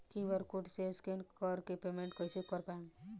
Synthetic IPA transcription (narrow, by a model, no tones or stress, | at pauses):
kiʋəɾkuʈseskenkɔɾkepemeɳʈkɔjsikɔɾpaem